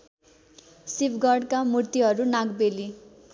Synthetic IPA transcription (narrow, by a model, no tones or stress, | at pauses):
sibɡʌɖkamurt̪iɦʌɾunaɡbeli